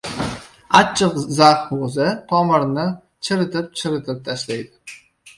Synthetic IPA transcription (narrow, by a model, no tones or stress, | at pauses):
at͡ʃʰːɨqzaqhozɪt̪ʰɒmɨɾnɪ | t͡ʃʰɪɾɨt̪ʰɪp̚t͡ʃʰɪɾɨt̪ʰɪp̚t̪ʰaʃlajd̪ɪ̥